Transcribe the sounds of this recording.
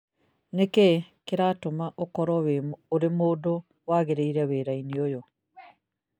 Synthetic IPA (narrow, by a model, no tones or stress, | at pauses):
neke | keɾatomaʔokɔɾɔweːɾemoːdo | waɣeɾeiɾɛweɾainiojo